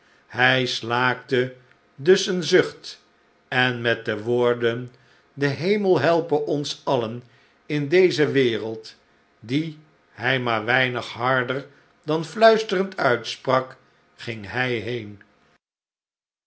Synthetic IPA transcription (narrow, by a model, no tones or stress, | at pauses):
ɦɛjslaːk̚tə | dɵsənzɵχt | ɛnmɛt̚dəʋʊːɹdən | dəɦejməlˠɦɛlˠpəʔɔnsɑlən | ɪndejzəʋɪːrəlˠt | di | ɦɛjmaːɹʋɛjnəχɦɑɹdəɹ | dɑnflœɥstərəntʰœɥtsprɑk | χɪŋɦɛjɦejn